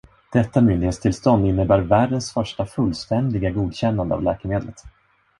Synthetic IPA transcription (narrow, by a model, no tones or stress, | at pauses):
d̪̥ɛt̪ːamʏnd̪ɪheːt̪st̪ʰɪlst̪ɔnd̪ɪnːəbæːɾvæːɖənsfœʂʈafɵlːst̪ɛnd̪ɪɡaɡuːd̪ɕɛnːand̪əa̰vlɛːkəmeːd̪lət̪